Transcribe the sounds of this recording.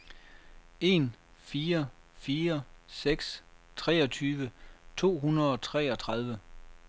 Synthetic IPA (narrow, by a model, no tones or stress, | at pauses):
e̝nfiːɐ | fiːɐseɡ̥s | t͡sʰʁɛːɒ̽t͡sʰyːʋət͡sʰo̝̰ːɦunɐðˠɒ̽t͡sʰʁɛ̰ːɒ̽t͡sʰʁɑ̈ð̞ˠʋə